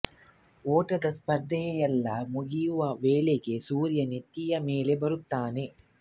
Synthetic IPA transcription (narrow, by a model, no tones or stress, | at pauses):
oːʈɐd̪ɐspɐɾd̪ʱɐjɛjɛlːɐmuɡijuʋɐʋeːleɡe̞suːɾjɐnit̪ːijɐmeːle̞bɐɾut̪ːaːne̞